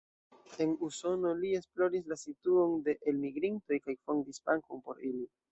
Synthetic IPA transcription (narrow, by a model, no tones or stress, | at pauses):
e̞nuso̞no̞lie̞splo̞ɾislasituo̞nde̞ʔelmiɡɾinto̞jkajfo̞ndispaŋko̞npo̞ɾili